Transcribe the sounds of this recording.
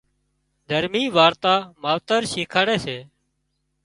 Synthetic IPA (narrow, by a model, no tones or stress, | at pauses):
d̪ʱəɾmiːʋaːɾt̪aːmaːʋt̪əɾʃiːkʰaːɽeːseː